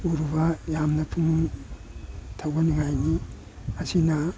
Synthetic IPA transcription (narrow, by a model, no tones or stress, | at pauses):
uɾubajamnɐpʰuŋuŋ | tʰawbaniŋajni | ɐsina